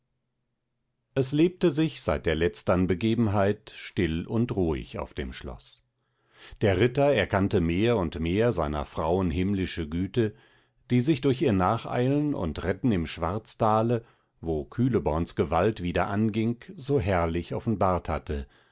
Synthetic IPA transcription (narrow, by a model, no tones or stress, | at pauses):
ʔɛsleːp̚təzɪçz̥aɪt̚d̥eːɐlɛt͡stɐnbəɡeːbm̩ɦaɪtʃtɪlʊntʁuːɪ̰ça̰ʊfd̥ḛːmʃlɔ̰s | d̥eːɐʁɪtɐɛɐkantəmeːɐʊntmeːɐzaɪnɐ̰fʁ̥aʊənɦɪmlɪʃəɡyːtə | d̥iːzɪçd̥ʊɐçiːɐnaːχʔa̰ɪlənʊ̰ntʁɛtn̩ɪmʃv̥aɐt͡stʰaːlə | voːkʰyːləbɔɐnsɡ̥əvaltv̥iːdɐ̰ʔanɡɪŋkzoːɦɛɐlɪçɔfn̩baːɐthatə